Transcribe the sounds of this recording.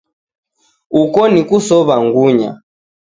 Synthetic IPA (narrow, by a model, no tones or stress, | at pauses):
ukɔnikusɔβaŋɡuɲa̰